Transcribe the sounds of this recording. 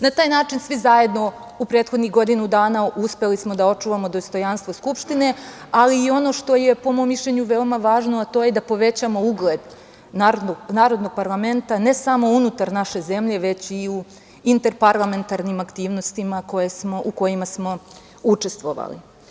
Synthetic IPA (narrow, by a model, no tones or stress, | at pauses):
nat̪aːjnaːt͡ʃinsʋizaje̞d̪no̞ | upɾet̪xod̪niɣɡo̞d̪inud̪aːnauspe̞lismo̞d̪ao̞t͡ʂuʋamo̞d̪o̞st̪o̞janst̪ʋoskupʃt̪ine̞ | aliːo̞no̞ʃt̪o̞je̞pomomːiʃʎʲeɲuʋe̞omaʋaːʒnoat̪o̞ːjed̪apo̞ʋe̞t͡ɕamo̞uɡled̪ | naɾoɡnaːɾo̞d̪noɡ̚paɾlˠame̞nt̪ane̞samo̞unut̪aɾnaʃe̞ze̞mʎe̞ʋe̞t͡ɕiu | int̪e̞ɾpaɾlˠame̞nt̪aɾnimakt̪iːʋno̞st̪imako̞jesmo̞ʔuko̞jimasmo̞ | ut͡ʂest̪ʋo̞ʋa̰lḭ